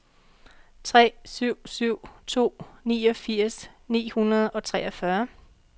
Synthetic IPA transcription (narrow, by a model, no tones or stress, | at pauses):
t͡sʰʁɛ̰ːsyʊ̰syʊ̰t͡sʰo̝̰ːnḭːɒ̽fiɐ̰snḭːhunɐð̞ˠɒ̽t͡sʰʁɛːɒfɶɐ